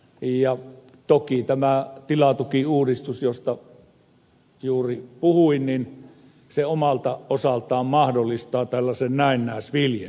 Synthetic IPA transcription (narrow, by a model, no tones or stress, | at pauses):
jɑ | t̪okit̪æmæt̪ilɑt̪ukiuːdist̪usjost̪ɑ | juːripuhuinnin | seomɑlt̪ɑʔosɑlt̪ɑːmmɑhdolːist̪ɑːt̪ælːɑsennæˑenːæˑesʋiljḛ